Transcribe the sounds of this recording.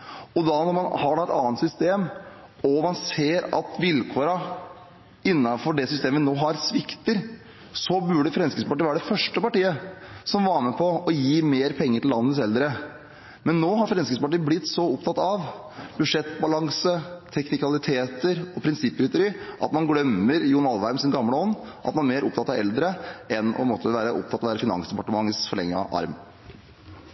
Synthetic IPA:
ɔd̪ɑnɔɾmɑnhɑɖɛɛt̪ɑ̰ːnt̪sʏst̪eːmɔmɑnseːɾɑ̰t̪ʋɪlkʰoːɾɑ | ɪnːɑfɔɖɛsʏst̪eːməʋɪnoːɦɑɾsʋɪkt̪əɾ | sɔbʉɖəfɾɛnskəspɑʈiːʋæːɾəɖɛfœʂʈəpɑʈiːəsɔmʋɑːɾməpʰɔɔjiːmeːɾpʰɛŋːəʈɪlːɑ̰nːənəsɛld̪ɾə | mɛnːoːɦɑɾfɾɛnskəspɑʈiːblɪt̪ːsɔʊpt̪ʰɑt̪ːɑʋ | bʉʂɛt̪bɑlɑŋsət̪ʰɛknɪkɑlɪt̪ʰeːt̪əɾɔpʰɾɪnsɪpːɾɪt̪ʊɾiːʔɑ̰t̪mɑnɡlœmːəɾjuːnɑlʋæɾmsɪnɡɑmləɔnːʔɑ̰t̪mɑnmeːɾʔʊp̚t̪ɑt̪ːɑʋɛ̰ld̪ɾəʔɛnɔ̰mɔt̪ʰːəʋæːɾəʔʊ̰pt̪ʰɑt̪ɑʋæːɾəfɪnɑ̰nsd̪ɛpɑʈəmɑŋːəsfɔɭɛ̰ŋːə̰ʔɑ̰ɾm

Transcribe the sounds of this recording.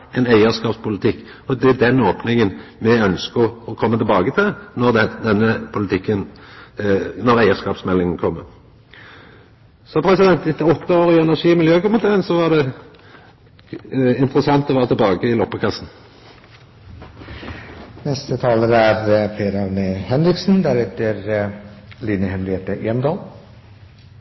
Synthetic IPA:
ɛnæɪəskɑːpspʰʊlɪt̪ʰɪkː | ɔd̪ɛæd̪ɛnoːpnɪŋənmɛœnskəʁɔkʰɔmːət̪ʰɪlbɑːɡət̪ʰɪlnɔʁd̪d̪ɛnːəpʰʊlɪt̪ʰɪkːən | nɔʁæɪəʁskɑːpsmɛlːɪŋənkʰɔmːəʁ | sɔpʰɾɛsɪd̪ɛnt̪ɪt̪ːəɔt̪ːəoːʁɪɛnæʁʂiːmɪljøːkʊmənt̪ʰeːʁənsɔʋɑʁd̪ɛ | ɪnt̪ʁəsɑnt̪ɔʋæːʁət̪ʰəbɑːɡəɪlɔpːəkʰɑsn̩ | nɛst̪ət̪ʰɑːləd̪æɾpʰeːɾɑʋnehɛnɾɪksn̩d̪æɾɛt̪əɾ | liːnəhɛnɾɪeːt̪əʔeɛmd̪ɑːl

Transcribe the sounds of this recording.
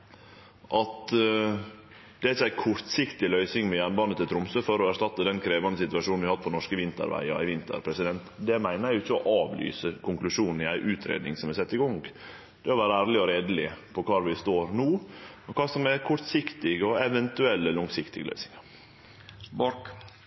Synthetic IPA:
ʔɑt̪ | d̪̥ɛæɾɪçːæɪkʰɔɾt̪sɪkt̪ɪlœʏsɪŋmɛjænbɑnət̪ʰɪlt̪ɾʊmsøːfɔɾɔæʂtɑt̪ːəd̪ɛnkʰɾeːʋɑnd̪əsɪt̪ʉɑʂuːn̩ʋɪhɑt̪̚ːpʰɔnɔʂkəʋɪnt̪ə̰ɾʋæ̰ɪɑ̰æ̰ɪʋɪnt̪ə̰ɾpʰɾɛsɪd̪ɛnt̪d̪ɛmæɪnəɾæʊɪçːəɔʔɑːʋly̰ːsəkʰʊŋklʉʂuːnn̩ɪæɪʔʉːt̪ʰɾḛːd̪nɪ̰ŋsɔmæsɛt̪ːɪɡɔŋ | d̪̥ɛɔʋæːɾəæːɾlɪɔɾeːd̪əlɪpʰɔkʰɑːɾʋɪst̪oːɾnuːɛkʰɑːsɔmɛkʰɔɾt̪sɪkt̪ɪɡɔɛʋɛnt̪ʉɛlːəlɔŋsɪkt̪ɪ̰ɡəlœ̰ʏsɪ̥ŋɑ | b

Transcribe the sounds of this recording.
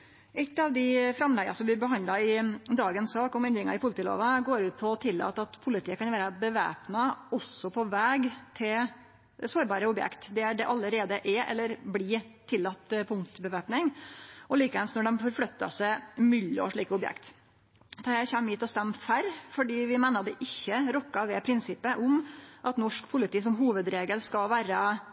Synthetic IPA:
ʔɛlt̪ɑʋd̪ɪfɾɑmlæɡɑsɔmb̪ɪɾbəɦɑnd̪ɑɪd̪ɑːɡənsɑːkɔmɛnd̪ɾɪŋɑ̰ɪpʰʊlt̪iːlo̰ːʋɑɡoːɾʉːt̪̚pʰɔɔt̪ʰɪlːɑ̰ːt̪ːəɑt̪pʰʊlɪt̪ʰiːəkɑnʋæːɾəbəʋæ̰ːpnɑɔsːɔpʰɔʋæːɡt̪ʰɪl | soːɾbɑːɾəʊbjɛ̰kt̪d̪ɛæɖɛʔɑləɾeːd̪əʔɛʔɛ̰lːəɾblit̪ʰɪlːɑt̪ːpʰʊŋt̪bəʋeːpnɪŋʔɔliːkəʋɛlsnɔɖɛnfɔɾflœt̪ːɑ̰sɛmʏlːɔ̰ʂɭiːkəʊbjɛ̰kt̪ | d̪ɑæɪçæmɪt̪ɔst̪ɛmːfæɾfɔɖiːʋɪmæɪnɑd̪ɛʔɪçːəɾɔkːɑʋɛpʰɾɪnsɪpːəʔʊmʔɑt̪nɔʂkpʰʊlɪt̪iːs̬ɔmɦuːʋəd̪ɾeːɡəlskɑlʋæːɾə

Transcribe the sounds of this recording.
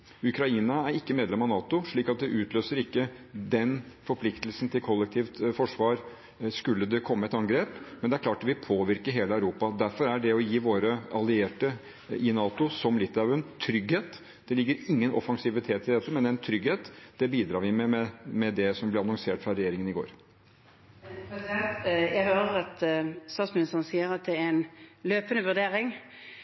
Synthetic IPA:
ʉkɾɑiːnɑæɾɪkːəmeːd̪lɛmɑnɑːt̪ʊʂɭiːkɑt̪̚d̪ɛʔʉːt̪løːsəɾɪkːəd̪ɛnfɔɾpʰlɪkt̪əlsn̩t̪ʰɪlkʰɔlːɛk̚t̪ʰiːʋt̪fɔʂʋɑːɾ | skʉlːəd̪ɛkʰɔmːəɛt̪ɑŋɡɾeːpmɛnd̪ɛæɾklɑːʈɑt̪ʋɪpʰoːʋɪɾkəɦeːləæʉɾuːpɑd̪æɾfɔɾæɖɛɔjiːʋoːɾəɑlɪeːʈə | ɪnɑːt̪ʊsɔmlɪt̪ːɑʋɛnt̪ʰɾʏɡheːt̪ | d̪̥ɛlɪɡːəɾɪŋːənʔɔ̰fɑŋsɪʋɪt̪ʰeːt̪ʰːɪld̪ɛt̪ːəmɛnɛɛnt̪ʰɾʏɡheːt̪d̪̥ɛbiːd̪ɾɑːɾʋɪmɛɛmɛd̪ɛsɔmblɛɑnɔŋseːʈfɾɑɾɛjeːɾɪŋənɪɡo̰ːɾ | jæɡhøːɾəʁɑt̪st̪ɑːt̪smɪnɪst̪əʁən̩siːəɾɑt̪̚d̪ɛɛnløːpənəʋʉd̪eːɾɪŋ

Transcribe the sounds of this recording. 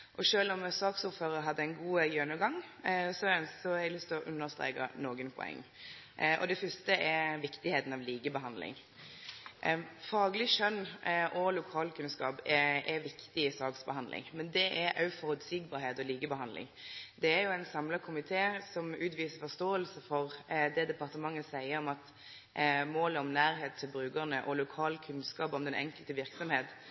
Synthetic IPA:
ʔɔʂøːlɔmsɑːksuːɾføːɾəɾɦɑd̪ːəɛɪnɡuːjœnəɡɑŋsɔnsɔɛɡlʏst̪lɔʔʉnːəʁst̪ɾḛːkɑ̰noːɡənpʰʊ̰ɛ̰ŋː | ʔɔ̰d̪ɛfʏst̪əɛɾʋɪkt̪ɪheːt̪n̩ɑʋliːɡəbəɦɑnd̪lɪ̰ŋ | fɑːɡəlɪʃœnːʔɔlʊkʰɑːlkʰʉnskɑ̰ːpɛʔɛʋɪkt̪ɪɪsɑːɡsbəhɑnlʔɪ̰ŋmɛnd̪ɛʔɛɾɑ̰ʉfɔʁʉd̪siːɡ̚bɑːɾheːt̪ɔliːɡəbəɦɑnd̪lɪ̰ŋd̪ɛæɾjʊæɪnsɑmlɑkʰʊmɪt̪ʰeːsɔmʉːt̪ʋiːsəfɔʁst̪oːəlsəfɔʁd̪ɛd̪ɛpɑʁt̪əmɑŋːəsæɪəɾɔmɑt̪ | moːləɔmnæːɾɦeːt̪ʰːɪlbɾʉːɡəʁnəʔɔlʊkʰɑːlkʰʉnskɑːpɔmd̪ɛnʔɛ̰ŋkəlt̪əʋɪɾksɔmheːt̪

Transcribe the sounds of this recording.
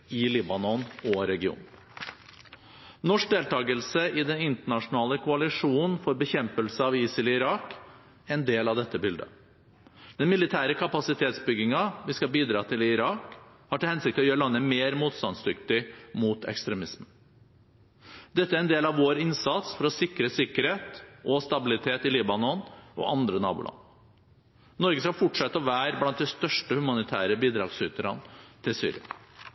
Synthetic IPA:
ɪliːbɑnɔnɔɾɛɡɪṵːn | nɔʂk̚d̪eːlt̪ʰɑːɡəlsəʔɪd̪ɛnɪnt̪əɳɑʂʊnɑːləkʰʊɑlɪʂuːnn̩fɔɾbəçɛmpəlsəɑʋiːsɪlɪɾɑːk | ɛnd̪eːlɑʋd̪ɛt̪ːəbʏld̪ə̰ | d̪̥ɛnmɪlɪt̪ʰæːɾəkʰɑpɑsɪt̪ʰeːt̪sbʏɡɪŋɑʋɪskɑlbiːd̪ɾɑːt̪ʰɪlɪɪɾɑːkhɑɾʈɪlhɛnsɪk̚t̪ɪɔjøːɾəɭɑnːəmeːɾmuːt̪st̪ɑnsd̪ʏkt̪ɪmuːt̪ʰɛ̰kst̪ɾɛmɪsmən | d̪̥ɛt̪ːəæɾɛnd̪eːlɑʋʋoːɾɪnsɑt̪sfɔɾɔsɪkɾəsɪkːəɾheːt̪ʔɔst̪ɑbɪlɪt̪ʰeːt̪ɪliːbɑnɔnʔɔ̰ʔɑnd̪ɾənɑ̰ːbṵlʔɑ̰n | nɔɾɡəskɑfʊʈʂɛt̪ːəɔʋæːɾblɑnt̪̚d̪ɛst̪œʂʈəhʉmɑnɪt̪ʰæ̰ːɾəbiːd̪ɾɑ̰ːɡsʏt̪əɾɑ̰nt̪ʰɪlsy̰ːɾɪ̰ɑ̰

